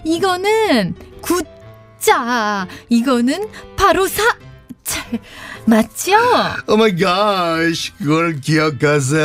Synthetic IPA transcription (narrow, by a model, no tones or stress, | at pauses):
iɡʌnɯnku | t͡ɕ͈a | iɡʌnɯnpaɾosʰat͡ɕʰaɭmat̚t͡ɕ͈oomaɪɡaɕkɯɡʌɭkiʌkas̬e